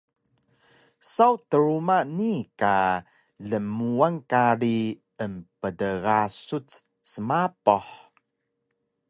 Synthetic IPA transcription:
sawtəɾumanika | ɮəmuaŋkaɾi | əmpədəɣasut͡s | səmapoħ

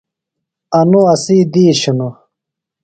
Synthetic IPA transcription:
ɐnuɐsiːd̪iːɕunu

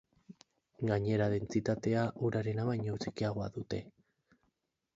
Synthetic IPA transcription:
ɡaɲe̞ɾaðe̞nt͡sit̪at̪e̞aʔuɾaɾe̞naβajɲout͡sekiaɣ̞o̞a̰ðut̪e̞

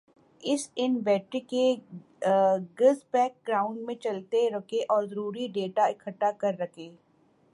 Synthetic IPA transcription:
ɪsɪnbɛːʈɾike | ɡəzpɛːk̚ɡɾaːʊ̃ɳɖmẽt͡ʃɐlt̪eɾɐkʰeʔɔːɾzɐɾuːɾiɖeːʈaɪkʰəʈːakɐɾːɐkʰeː

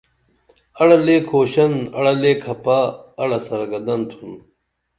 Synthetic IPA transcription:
ɐɽɐleːkʰoːɕɐnɐ̰ɽɐleːkʰɐpaːɐɽɐsɐɾɐɡɐd̪ɐnt̪ʰun

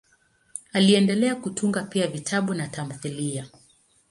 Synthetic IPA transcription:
aliɛndɛlɛakutʰuŋɡapiavitʰaɓunatam̩θilia

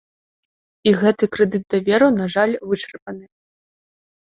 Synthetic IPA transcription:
iɣɛt̪ɨkɾɨd̪ɨt̪̚d̪ɐvʲɛɾunaʐalʲvɨt͡ʂɐrpɐnɨ

